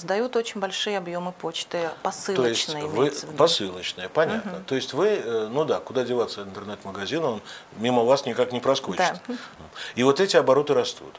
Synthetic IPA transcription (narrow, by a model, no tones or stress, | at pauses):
zd̪ɐjut̪o̞t͡ɕɪnʲbɐlʲʂɨjəɐbjo̞mɨpo̞t͡ɕt̪ɨpɐsɨloəɪst͡ɕtnʲɨjvɨpɐsɨlˠət͡ɕnɨjəpɐnʲat̪nət̪o̞jɪsʲtʲvɨnud̪akʊd̪adʲɪvat̪səɪnt̪ərnɛt̪məɡɐzʲinəonmʲiməvasnʲɪkaknʲɪpɾɐskod̪ɪt̪ | ivo̞t̪ɛtʲɪɐbɐɾo̞t̪ɨɾɐst̪ṵt̪